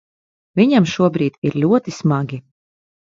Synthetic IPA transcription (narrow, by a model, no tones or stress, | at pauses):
vʲiɲamʃuɔbɾiːt̪iɾlʲuɔt̪ismaɡʲi